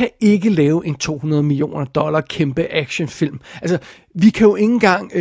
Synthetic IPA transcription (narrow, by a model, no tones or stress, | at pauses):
æe̝ɡ̥əlɛːʊʔe̝nt͡sʰo̝̰ːhunɐðˠmilio̝̰ːnɐd̥ɒ̽lɐkʰemb̥əʔæɡ̥ɕənfil̰mælsɐ | ʋikʰæjo̝ʔe̝ŋn̩ɡ̥ɑ̈ŋ̰